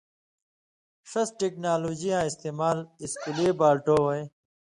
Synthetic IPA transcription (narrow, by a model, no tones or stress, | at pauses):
ʂɐsʈeknaːloːd͡ʑijãːist̪eːmaːliskileːbaːlʈoːwɐj